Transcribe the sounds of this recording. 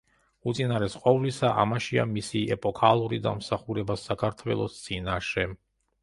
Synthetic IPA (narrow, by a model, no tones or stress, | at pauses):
ut̪sʼinaɾɛsqʼɔvlisaʔa̰maʃia̰misiɛpʼɔkʰalˠuɾid̪a̰msaχuɾɛbasakʰaɾt̪ʰwɛ̰lˠɔst̪sʼinaʃɛ